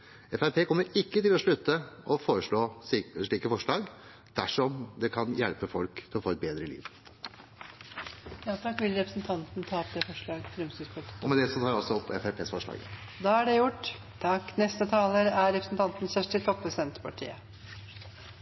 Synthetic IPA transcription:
ɛfæɾpʰeːkʰɔmːəɾɪkːət̪ɪlɔʂɭʉt̪ːəʔɔfoːɾəʂɭoːʂɭiːkəfɔʂɭɑːɡ | d̪̥æʂɔmd̪ɛkʰɑnjɛlpəfɔlkt̪ʰɪlɔfoːɛt̪̚beːd̪ɾəlḭːʋ | jɑːt̪ʰɑkːʋɪlɾɛpɾəsnt̪ʰɑnt̪nət̪ʰɑːɔpd̪ɛːfɔʂɭɑːɡfɾɛmst̪yːspʰɔt̪ɔmɛd̪ɛsɔt̪ʰɑːɾɔsɔɔpʰːɛfæɾpʰeːsfɔʂɭɑ̰ːɡ | d̪ɑːæɖɛjʊʈː | t̪ʰɑkːnɛst̪ət̪ʰɑːləɾæɾɛpɾəsn̩t̪ʰɑnt̪nsæʂʈət̪ʰɔpʰːɾəsɪd̪ɛnt̪pʰɑʈʰḭːə̰

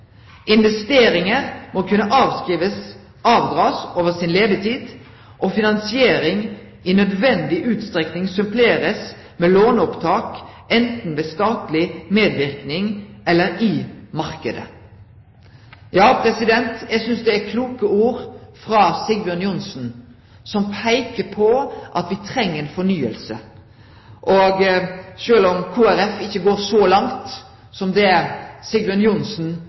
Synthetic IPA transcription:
ʔɪnʋɛst̪eːɾɪŋəʁmɔkʰʉnːəʔɑːʋskʁiːʋəs | ɑːʋd̪ʁɑːsoːʋəʁsɪnleːd̪ət̪ʰiːd̪ | ʔɔfɪnɑnsɪeːɾɪŋ | ɪnœd̪ʋɛnd̪ɪʔʉːt̪st̪ɾɛknɪŋsœmpʰleːʁəs | meːloːnɔpt̪ʰɑːk | ɛnt̪n̩ʋeːst̪ɑːt̪lɪmeːd̪ʋɪʁknɪŋʔɛlːəɾɪmɑʁkəd̪ə̰ | jɑːpʰɾɛsɪd̪ɛnt̪jæɪsʏnsd̪ɛækʰluːkəuːɾfɾɑːsɪɡʋjɔnjʊnsn̩ | sɔmpʰæɪkəpʰɔʔɑt̪ʋɪt̪ʰɾɛŋːəenfɔnyːə̰lsə | ʔoɡʃøːlɔmkʰuːæɾɛfɪçːəɡoːɾsɔlɑŋt̪ | sɔmd̪ɛsɪɡʋjɔnjʊnsn̩

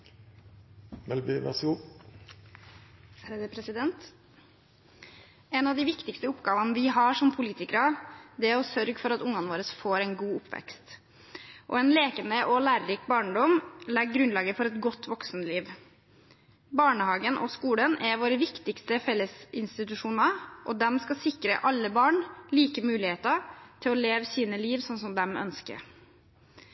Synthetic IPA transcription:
mɛlbiʋɛ̰su | pʰɾɛsɪd̪ɛnt̪ | ɛnɑʋd̪ɪʋɪkt̪ɪkst̪əʊpɡɑːʋɑnəʋɪɦɑʂɔmpʰʊliːt̪ɪkəɾɑd̪ɛæɾɔsœɾɡfɔɾɑt̪ʊŋɑnʋoːɾəsfoːɾɛnɡuːʊpʰːʋɛ̰kst̪ | ʔɔ̰ɛnleːkənd̪əʔɔlæːɾɾɪkbɑːɳɖɔmlɛɡɡɾʉnlɑːɡəfɔɾɛt̪ɡɔt̪ːʋɔksnliːʋ | bɑːɳəhɑːɡənʔɔ̰skuːlənɛʋoːɾəʋɪkt̪ɪkst̪əfɛlːəsɪnst̪ɪt̪ʉʂuːnɑʔɔd̪ɛmskɑsɪkɾə̰ʔɑlːəbɑːɳliːkəmʉːlɪheːt̪ɑt̪ʰɪlɔleːʋəsiːnəliːʋsɔnsɔmd̪ɛmœ̰nskə̰

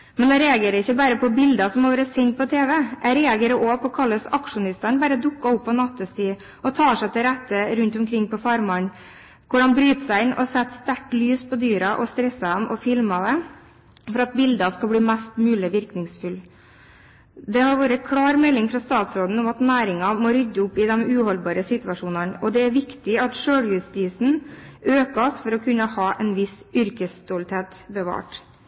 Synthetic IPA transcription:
mɛnd̪ɛɾɛɑɡeːɾəɪçːəbæːɾəpʰɔbɪld̪ɑsɔmhɑʋæːɾəsɪŋt̪̚pʰɔt̪ʰeːʋɛʔæɾɛːɑɡɛɾəʔopɔkʰɑlːəsɑkʂʊnɪst̪æɳbæːɾəd̪ʊkːɑʊpːɔnɑt̪ːəst̪iː | ʔɔt̪ʰɑːʂæɪt̪ʰɛɾæt̪ːəɾʉnt̪ʊmkʰɾɪŋːpɔfɑɾmɑn | kʊɖɑnbɾyːt̪sæɪɪnːʔɔ̰sɛt̪ːst̪æʈlyːspʰɔd̪yːɾɑʔɔst̪ɾɛsːɑɛmʔɔfɪlmɑd̪ɛ | fɔɾɑt̪̚bɪld̪ɑskɑlbliːmæst̪mʉːlɪʋɪɾknɪŋsfʉl | d̪ɛhɑɾʋoːɾəkʰɽɑːɾmɛlːɪŋfɾɑst̪ɑːt̪sɾoːd̪n̩ʊmɑt̪næːɾɪŋɑmoːɾʏd̪ːəʊpːɪd̪ɛmʉːhɔlbɑːɾəsɪt̪ʉʋɑʂuːnɑnɔd̪ɛæɾʋɪkt̪ɪɑt̪ʂøːɽjʉst̪iːsn̩øːkɑsfɔɾɔkʰʉnːəhɑːʔɛnʋɪsʏɾkəst̪olt̪heːt̪bəʋɑ̰ːʈ

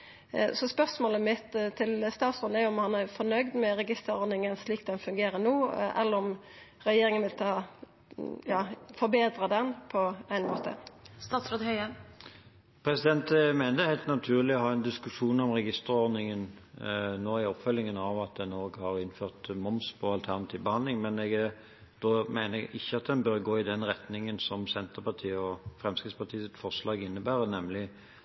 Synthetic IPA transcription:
sɔspœʁsmoːləmɪt̪ːt̪ʰːɪlst̪ɑːt̪sɾoːd̪æjʊɔmhɑnæfɔnœʏd̪mɛɾɛɡɪst̪əɾɔɾd̪nɪŋənsliːk̪̚d̪ɛnfʉŋɡeːɾənoːʔɛ̰lːəɾɔm | ɾɛjeːɾɪŋənʋɪlt̪ʰɑː | jɑːfɔɾbeːd̪ɾəd̪ɛnpʰɔæɪnmo̰ːt̪ʰə̰st̪ɑːt̪sɾoːd̪hœʏə | pʰɾɛsɪd̪ɛnt̪mæɪnəhæɪlt̪nɑt̪ʰʉːʁlɪɔhɑːɛnd̪ɪskʉʂuːnɔmʁɛɡɪst̪əɾɔʁd̪nɪŋən | noːɪɔpfœlːɪŋənɑʋɑt̪̚d̪ɛnoːɡhɑɾɪnːføːʁt̪mɔmspʰɔɑlt̪ʰæʁnɑt̪ʰiːʋbəhɑnd̪lɪŋmɛnɛɡ | d̪̥oːmæɪnəʔɪçːəɑt̪̚d̪ɛnbøɾɡoːɪd̪ɛnʁɛt̪nɪŋənsɔmsɛnt̪əpɑt̪ʰiːəɔfɾɛmskɾɪt̪spɑʁt̪ʰiːsɪt̪fɔʁʂlɑːɡɪnːəbæːʁənɛmlɪ

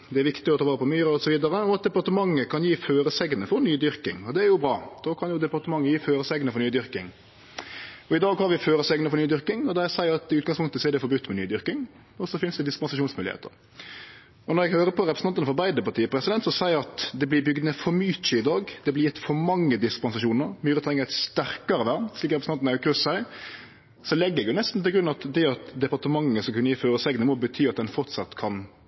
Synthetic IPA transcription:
d̪ɛæɾʋɪkt̪ɪɔt̪ʰɑːʋɑːɾəpʰɔmyːɾəɔsɔʋiːd̪əɾəɔɑt̪̚d̪ɛpɑɾt̪əmɑŋːəkʰɑnjiːføːɾəsɛɡnəfɔɾnyːd̪ʏɾkɪ̰ŋɔd̪ɛæɾjʊbɾɑːd̪̥oːkʰɑnjʊd̪ɛpɑɾt̪əmɑŋːəjiːføːɾəsɛɡənəfɔɾnyːd̪ʏɾkɪ̰ŋ | ɔɪd̪ɑːɡhɑɾʋɪføːɾəsɛɡnəfɔɾnyːd̪ʏɾkɪŋɔd̪ɛæsæɪɾɑt̪ɪʉːt̪ɡɑŋspʊŋkt̪əsɔɛɾd̪ɛfɔɾbʉt̪ːmɛny̰ːd̪ʏɾkɪŋ | ɔsɔfɪnsd̪ɛd̪ɪskɪɛnsɪʂuːnsmʉːlɪ̰ḛːt̪ə̰ɾ | ɔnɔɾɛɡhøːɾəpʰɔɾɛpɾəsnɑnɑnəfɔɾbæɪd̪əpɑʈ̪ʰiːəpɾɛsɪd̪ɛnt̪sɔsæɪəɾɑt̪d̪ɛblɪbʏɡd̪ənəfɔɾmyːt̪əɪd̪ɑːɡd̪ɛblɪjɪt̪ːfɔɾmɑŋːəd̪ɪskpɑnsɑʂuːnəɾmyːɾət̪ʰɾɛŋːəɛt̪st̪æɾkɑɾəʋæːʁnsliːkɾɛpɾsɑnnɛæjʊkʰɾʉsæɪ | sɔlɛɡːəɛɡjʊnɛst̪n̩t̪ɪlɡɾʉnːɑt̪d̪ɛɑt̪d̪ɛpɑʁt̪əmɑŋːəsɔkʉnːəjɪføːɾəsɛɡnəmɔbət̪ʰyːɑt̪̚d̪ɛnfɔʁt̪sɑt̪ːkʰɑn

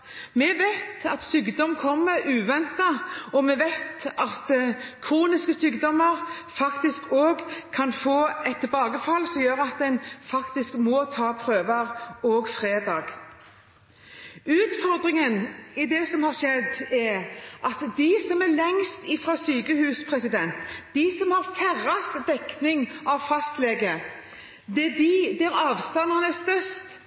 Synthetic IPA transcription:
mɛʋæɪt̪ɑt̪syːkd̪ɔmkʰɔmːəɾʉːʋɛnt̪ɑɔmɛʋɛɪt̪ʔɑt̪kʰɾuːnɪskəsyːkd̪ɔmːəɾ | fɑkt̪ɪskoːɡkʰːɑnfoːɛt̪ʰːɛlbɑːɡəfɑlːsɔmjøːɾəɑt̪̚d̪ɛnfɑkt̪ɪskmɔt̪ʰɑːpʰɾøːʋəɾɔːɡfɾeːd̪ɑːɡ̥ | ʉːt̪fɔɾd̪ʁɪŋənɪd̪ɛsɔmhɑʁʂɛd̪ɛʁʔɑt̪d̪ɪsɔmælɛŋst̪ɪfɾɑːsyːkəhʉːspʰʁɛsɪd̪ɛnt̪d̪ɪsɔmhɑɾfæʁɑst̪d̪ɛknɪŋɑʋfɑst̪leːɡə | d̪ɛd̪ɪd̪ɛɾɑːʋst̪ɑnːɑnɛst̪œst̪

